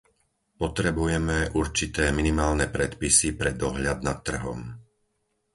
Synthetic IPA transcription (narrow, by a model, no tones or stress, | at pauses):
pɔt̪ɾɛbujɛmɛʔuɾt͡ʃit̪ɛːminimaːlnɛpɾɛt̪pisipɾɛd̪ɔɦʎad̪̚nat̪ːr̩ɦɔ̰m